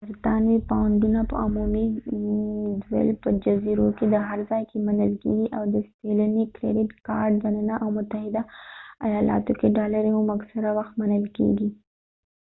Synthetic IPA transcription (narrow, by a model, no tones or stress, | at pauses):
ɾt̪ɑnwipawəɳɖunapə̰ʊmumi | d̪wḛlpəd͡ʒɐziɾoked̪əɦɐɾzaːjkemɐnəlkḛɡiʔawd̪əst̪eləniklḛɾɪʈkaːɾɖzɐnanaʔawmʊt̪əɦɪd̪aɐjaːlɑ̰ːt̪okeɖaːləɾeɦʊmɐksɐɾawɐxt̪̚mɐnəlkḛɡi